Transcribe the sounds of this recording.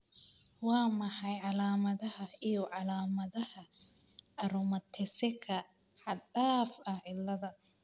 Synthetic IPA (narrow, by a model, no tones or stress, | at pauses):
wɑːmɐħɑjʕɑlaːmɐðɐhɐijɔʕɑlaːmɐðɐhɐ | ɐɾʊmɐt̪ʰɛsɛkʰɐ | ħɑd̪aːfɐhʕɪlːɐðɐ